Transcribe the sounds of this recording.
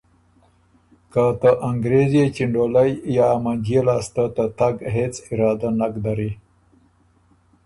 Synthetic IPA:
kat̪əʔaŋɡɾezet͡ʃiɳɖolajjɑmand͡ʒelɑːst̪at̪at̪aɡɦet͡sɪɾɑːd̪anakd̪aɾi

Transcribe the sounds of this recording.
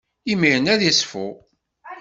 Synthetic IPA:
imiɾənæðisfṵ

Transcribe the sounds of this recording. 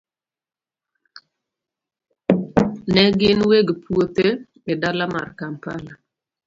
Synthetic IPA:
nɛɡɪnweɡpuot̪e | ɪdalama̰rkampala

